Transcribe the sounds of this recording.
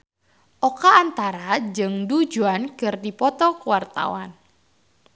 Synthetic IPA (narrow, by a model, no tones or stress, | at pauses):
ʔokaːnt̪aɾad͡ʒɨŋdud͡ʒuankɨrdipɔt̪ɔkuwart̪a̰wan